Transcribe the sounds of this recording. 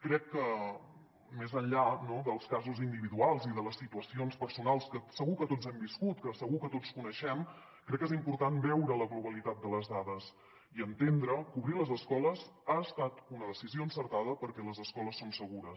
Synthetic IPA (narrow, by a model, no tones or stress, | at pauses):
kɾɛkːə | mezəɲʎanoðəlˠskazuzind̪iβiðualˠziðələsːit̪uəsionspəɾsunalˠskəsəɣukət̪od͡zɛmbiskut̪kəsəɣukət̪ot͡skunəʃɛm | kɾɛkːezimpuɾt̪anbɛwɾələɣluβ̞əlit̪at̪̚d̪ələzðaðəs | iənt̪end̪ɾəkuβɾiləzəskɔləzaəst̪at̪unəðəsizioənsəɾt̪aðəpəɾkɛləzəskɔləsːonsəɣuɾəs